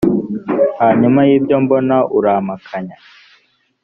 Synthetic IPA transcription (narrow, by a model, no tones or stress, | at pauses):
haɲumajiːbɟombonaʔuɾaːmakʰaɲa